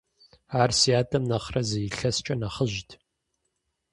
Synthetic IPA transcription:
aːrsijaːtʰʼɐmnɐχrɐzɐjiɬɐst͡ʃʼɐnɐχəʒtʰ

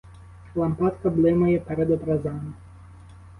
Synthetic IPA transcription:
lˠɐmpat̪kɐblˠɪmɐjɛpɛɾɛd̪ɔt̪ɾɐzamɪ

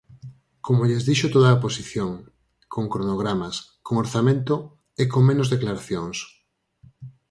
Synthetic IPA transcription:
komoʎezðiʃot̪oðaop̬osiθjoŋ | koŋkɾonoɣ̞ɾamas | koŋoɾθamẽnt̪o | ekoŋmẽnozðeklaɾaθjoŋs

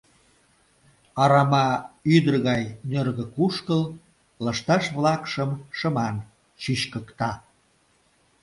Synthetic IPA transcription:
ɑɾɑmɑyd̪ərɣɑjnørɣəkuʃkəl | ləʃt̪ɑʃβlɑkʃəmʃə̆mɑn | t͡ɕyɕkəkt̪ɑ

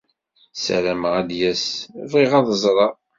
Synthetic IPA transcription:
sæ̰ɾæməʁæd̪jæsviʁɑðəzˤɾˤɑ

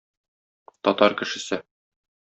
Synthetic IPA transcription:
t̪ɒt̪ɑɾkɘ̆ʃɘ̆sɘ

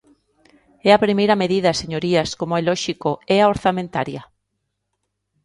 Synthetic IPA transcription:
ɛapɾimejɾɐmeðiðɐseɲoɾiaskomoɛlɔʃikoɛaoɾθamẽnt̪aɾjɐ

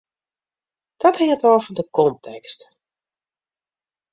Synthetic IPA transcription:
d̥ɔthɪŋətɔːfɔndəkɔntʰɛkst

